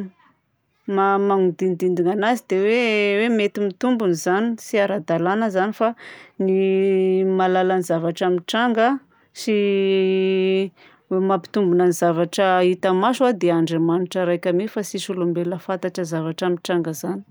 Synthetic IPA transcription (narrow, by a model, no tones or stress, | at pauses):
mamaŋud̪ind̪ind̪iŋanazid̪ewewemet̪imit̪umbunizanisiaɾad̪alanəzanifani | malalanizavaʈ͡ʂamiʈ͡ʂaŋɡa | si | wemapi̥t̪umbunanizavaʈ͡ʂəit̪əmasad̪eaɳɖ͡ʐemanuʈ͡ʂəɾajkʲamifasisulumbeləfant̪aʈ͡ʂəzavaʈ͡ʂamiʈ͡ʂaŋɡəzani̥